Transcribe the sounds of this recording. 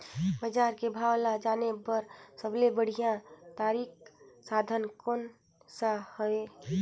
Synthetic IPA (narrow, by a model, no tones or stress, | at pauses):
bəd͡ʒaːɾkebʱawlad͡ʒaːnebəɾsəblebəɽ̤ijãt̪aːɾiksad̪ʱənkon | sahəe